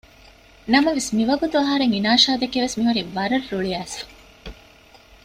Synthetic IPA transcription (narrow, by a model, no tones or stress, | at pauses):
nɐmɐʋesmiʋɐɡut̪uɐɦɐɾeŋinaːʃaːd̪ɐkeʋesmiɦuɾiʋɐɾɐɾːuɭiæːsɐ̥